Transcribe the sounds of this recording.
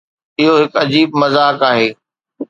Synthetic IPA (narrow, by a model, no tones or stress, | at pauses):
ɪɦoɦɪkɐd͡ʑiːbmɐzaːkaːɦeː